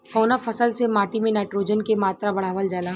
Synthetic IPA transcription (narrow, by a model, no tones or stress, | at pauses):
kɔːnafʰɐsəlsemaːʈimẽnɛːʈɾoːd͡ʒənkemaːt̪ɾabɐɽ̤aːʋəld͡ʒaːlaː